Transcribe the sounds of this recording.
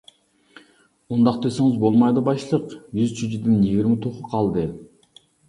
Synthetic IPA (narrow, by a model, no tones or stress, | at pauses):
und̪ɑqt̪eseŋɪzbo̞lˠmɑjd̪ɯbɑjʃlˠəqjyzt͡ʃʰyd͡ʒid̪injeɡʲiɾmat̪ʰoquqʰɑlˠd̪ə